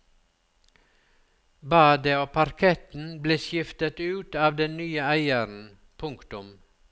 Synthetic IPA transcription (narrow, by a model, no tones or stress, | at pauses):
bɑːd̪əoːpʰɑɾkʰɛt̪n̩bleːʃjɪft̪ət̪ʉːt̪ɑːʋd̪ɛnnyːəæɪəɾn̩ | pʰʊŋkt̪ʊm